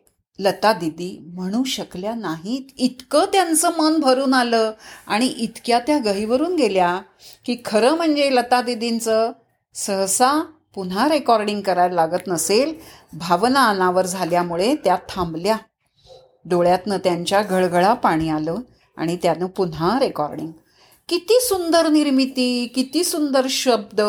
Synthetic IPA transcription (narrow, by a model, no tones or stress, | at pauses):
lət̪ad̪id̪iːm̤əɽ̃ũːɕəkljanaɦit̪it̪kəːt̪jant͡səːmənbʱəɾuːnaləːa̰ɽ̃iʔit̪kjat̪jaɡəɦiʋəɾuːnɡʱelja | kiːkʰəɾəːm̤əɳd͡zelət̪ad̪id̪int͡səː | səɦsa | punɦaɾekɔɾɖiŋɡkəɾaɾlaɡət̪nəselbʱaʋnaənaʋəɾd͡zʱaljamuɭet̪jat̪ʰːãmblja | d̪oɭjat̪nət̪jaɲt͡ɕjaɡʱəɭɡəɭapaɽ̃iːaləː | a̰ɽ̃it̪janəpunaɾekɔɾɖḭŋɡ | kit̪iːsund̪əɾniɾmit̪iːkit̪iːsund̪əɾɕəb̚d̪